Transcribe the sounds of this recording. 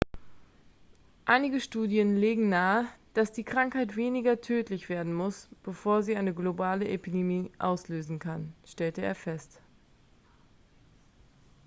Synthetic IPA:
ʔaɪnɪɡəʃtuːdjənleːɡŋ̩naːəd̥asd̥iːkʁ̥aŋkhaɪtv̥eːnɪɡɐtʰøːtlɪçv̥eːɐdn̩mʊsb̥əfoːɐziːʔaɪnəɡlobaːləʔepidemiːʔaʊsløːzn̩kʰanʃtɛltəḛːɐfɛst

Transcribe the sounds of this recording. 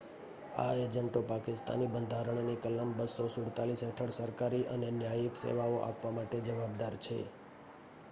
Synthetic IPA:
a̰ed͡ʒənt̪opakɪst̪a̰nibənd̪ʱaɾəɳnikəlːəmbəsosʊɽt̪alisɦɛʈʰəɽsəɾkaɾiʔənenjajəksḛʋaoʔa̰pʋamaʈed͡ʒəʋabd̪aɾt͡ʃʰḛ

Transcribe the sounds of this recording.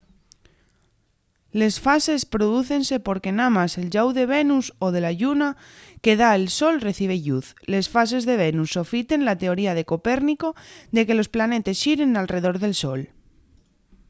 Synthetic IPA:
le̞sfase̞spɾo̞ðuθe̞nse̞po̞ɾke̞namase̞lʝawðe̞β̞e̞nuso̞ð̞e̞laʝuna | ke̞ðaelso̞lre̞θiβ̞e̞ʎuθle̞sfas̬e̞zðe̞β̞e̞nusːo̞fit̪e̞nlat̪e̞o̞ɾiað̞e̞ko̞pe̞ɾniko̞ðe̞ke̞lo̞splane̞t̪e̞sʃiɾe̞nalre̞ðo̞ɾðe̞lso̞l

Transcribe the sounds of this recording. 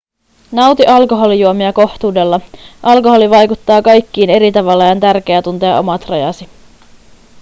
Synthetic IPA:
nɑwt̪iʔɑlko̞ɦo̞lijuomiɑko̞ht̪uːde̞lːɑʔɑlkoɦo̞liʋɑjkut̪ːɑːkɑjk̟ːiːne̞ɾit̪ɑʋɑlːɑjɑnt̪ærk̟e̞æt̪unt̪e̞ɑ̰ʔo̞mɑt̪rɑjɑ̰si

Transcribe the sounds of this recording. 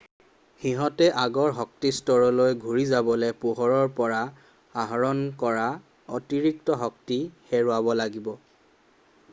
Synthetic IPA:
xiɦɔtɛʔaɡɔɹɦɔk̚tistɔɹɔlojɡʱuɹizabɔlɛpuɦɔɹɔɹpɔɹa | aɦɔɹɔnkɔɹa | ɔtiɹik̚tɔɦɔk̚tihɛɹʊabɔlaɡibɔ

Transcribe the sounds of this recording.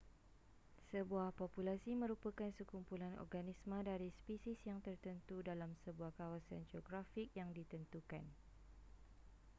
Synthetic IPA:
səbuahpɔpulasimə̃ɾupəkansəkumpulanɔ̰rɡanismə̃daɾispisisjaŋt̪ərt̪ənt̪udalamsəbuahkawasand͡ʒɔɡɾafik̚jaŋdit̪ənt̪ukan

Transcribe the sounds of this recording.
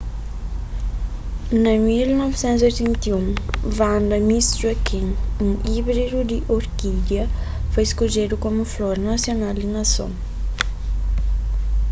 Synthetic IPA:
namilnɔfsɛ̃nt̪zet̪ɛnt̪iũnvaɳdəmisrakʰinniʔibɾiɾud̪iʔoɾkid̪jə | faiskod͡ʒeɾukomiflɔɾnasjonalinasõ̰n

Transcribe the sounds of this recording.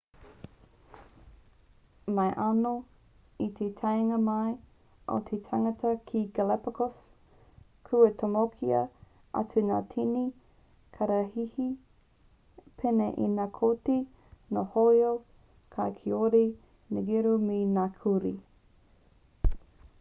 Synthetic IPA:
majʔano | it̪ʰetʰajŋɐmɐj | ʔo̰t̪ʰetʰaŋɐtʰɐkʰiɡalɛpəkos | kʰuətʰomokʰiɐ̰ | ʔɐ̰tunaːtʰini | kʰaɾahihi | pʰeneʔinaːkʰote | nohojo | kʰakʰeoɾi | nəɡiɾuminakʰuɾi

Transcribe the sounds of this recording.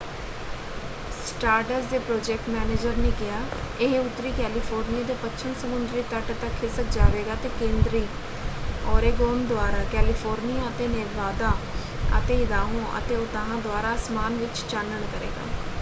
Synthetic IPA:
s | ʈaːɾʈəɾsd̪eːpɾoːd͡ʒɛːk̚ʈmɛːneːd͡ʒəɾneːkɪjaːɪɦʊt̪ːɾiːkɛːliːpʰoːɾnijaːd̪eːpətːʃʰənsəmʊnd̪ɾiːt̪əʈt̪əkʰːɪsəkd͡ʒaːʋeːɡaːt̪eːkẽːnd̪ɾiː | ɔːɾeːɡoːnd̪ʊaːɾaːkɛːlɪpʰoːɾnijaːət̪eːneɾʋaːd̪aː | ə̰t̪eːɪd̪aːɦõːʔə̰t̪eːoːt̪aɦãːd̪owaːɾaːsmaːnʋɪt͡ʃt͡ʃanːəɳkəɾḛːɡa̰ː

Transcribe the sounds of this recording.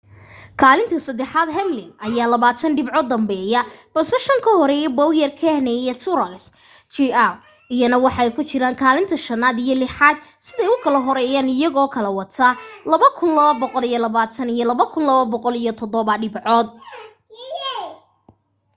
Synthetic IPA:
kʰaːlɪnt̪ʰɐsɐd̪ɛħaːd̪ɦɛmlɪŋʔɐjaːlɐβaːt̪ʰɐnɖɪbʕɔd̪ːɐmbɛːjɐb̥ɐlsɛʃɐŋkʰɐhɔɾɛjɛbɐwjɛrkʰɛhnɛjɛt̪ʰʊɾls | t͡ʃiaw | ijɐnɐwɑħɑɛjkʰʊt͡ʃɪɾaːŋkʰaːlɪnt̪ʰɐʃɐnaːd̪ijɔlɪħaːd̪sɪðɛjʊkʰɐlɐɦɔɾɛːjaːnɪjɐɣɔːkʰɐlɐwɐt̪ʰalɐβɐkʰʊnlɐβɐbɔqɔlijɔlɐβaːt̪ʰɐnijɔlɐβɐkʰʊnlɐβɐbɔqɔlijɔt̪ʰɔd̪ɔβɐɖɪbʕɔːd̪

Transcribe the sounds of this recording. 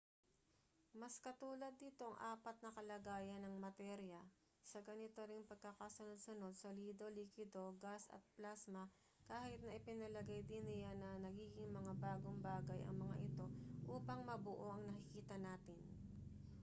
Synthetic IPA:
mɐskɐt̪uːlɐd̪ːiːt̪o̞ʔɐŋʔaːpɐt̪̚nɐkɐlɐɡaːjɐnɐŋmɐt̪ɛɾjɐ | sɐɡɐnɪt̪oɾɪŋpɐɡ̚kakasonod̪̚sʊno̞d̪̚sɐliːd̪o̞liːkwɪd̪o̞ɡasɐ̰t̪̚plasmɐ | kaːhɪt̪̚nɐʔɪpɪnɐlɐɡajd̪ɪnɪjanɐnɐɡiːɡɪŋmɐŋabaːɡoŋbaːɡɐjʔɐ̰ŋmɐŋa̰ʔɪt̪o̞ʔuːpɐŋmɐbʊʔo̞ʔɐŋnɐkɪkiːt̪ɐnaːt̪ɪn

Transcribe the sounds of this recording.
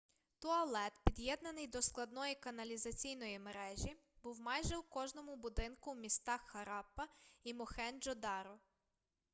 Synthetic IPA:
t̪ɔɐlˠɛt̪pʲid̪jɛd̪nɐnɪjd̪ɔsklˠɐd̪nɔjikɐnɐlʲizɐt͡sʲijnɔjimeɾɛʒʲibuwmɑjʒɛwkɔʒnɔmʊbʊd̪ɪnkʊwmʲist̪ɑxːɐɾɑpːɐimɔxɛnd͡ʒɔd̪ɑɾɔ

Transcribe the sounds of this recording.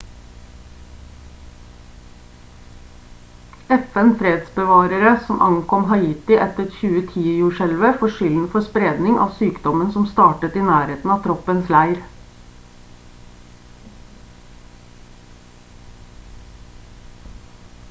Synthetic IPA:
ɛfɛnfɾeːd̪sbəʋɑːɾəɾəsɔmʔɑ̰ŋkʰɔmɦɑiːt̪ɪʔɛt̪əçʉːət̪ʰiːjʉːʃɛlʋəfoːʃʏln̩fɔspɾeːd̪nɪŋɑ̰ːʋsyːkd̪ɔmənsɔmst̪ɑːʈət̪iːnæːɾeːt̪n̩ɑːt̪ʰɾɔpənslæɪɾ

